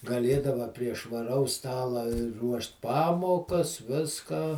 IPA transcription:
ɡɐˈlʲeːdɐʋɐ pʲrʲiɛ ʃʋɐˈrɐʊs ˈstɑːlˠɐ ˈruɔʃt ˈpɑːmoːkɐs ˈʋʲɪskɑː

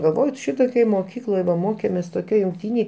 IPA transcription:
ɡɐlˠˈʋoːj ˈʃʲɪtoːkʲoːj moːˈkʲiːklˠoːj dɐ ˈmoːkʲeːmʲeːs toːˈkʲoːj jʊŋkˈtʲiːnʲeːj

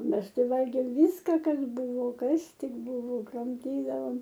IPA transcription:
ˈmʲɛs ˈtɐɪ ˈʋɐlʲɡʲeːm ˈʋʲiːskɐ ˈkɐs ˈbʊʋoː ˈkɐs ˈtʲɪk ˈbʊʋoː krɐmʲˈtʲiːdɐʋoːm

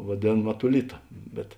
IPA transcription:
ʋɐˈdʲeːn mɐtʊˈlʲɪtɐ bʲɛt

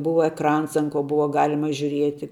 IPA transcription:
ˈbʊʋɐ ɛkˈrɐns ɐn koː ˈbʊʋɐ ˈɡɑːlʲɪmɐ ʒʲʊˈrʲiɛtʲɪ

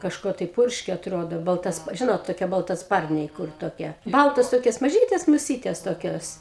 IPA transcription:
kɐʃˈkuɔ tɐɪ ˈpʊrʲʃʲkʲeː ɐtˈroːdoː bɐlˠˈtɐs ˈʒʲɪnoːt toːˈkʲiɛ bɐlˠtɐˈspɐrʲnʲɛɪ ˈkʊr toːˈkʲiɛ ˈbɐlˠtoːs ˈtoːkʲoːs mɐˈʒʲiːtʲɛs mʊˈsʲiːtʲɛs toːˈkʲoːs

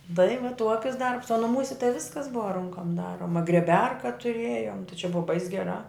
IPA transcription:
tɐɪ ʋɐ ˈtuɔkʲɪs ˈdɐrps oː nʊˈmuːsʲɛ tɐɪ ˈʋʲɪskɐs ˈbʊʋɐ ˈrʊŋkoːm ˈdɑːroːmɐ ɡrʲiɛˈbʲɛrkɐ tʊˈrʲeːjoːm tɐɪ t͡ʃʲɛ ˈbʊʋɐ bɐɪs ɡʲɛˈrɑː

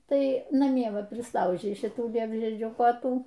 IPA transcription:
ˈtɐɪ nɐˈmʲiɛ ˈʋɐ pʲrʲɪsˈlˠɐʊʒʲɛɪ ʃʲɪˈtuː ˈlʲiɛbʲʒʲiɛd͡ʒʲuː koːˈtuː

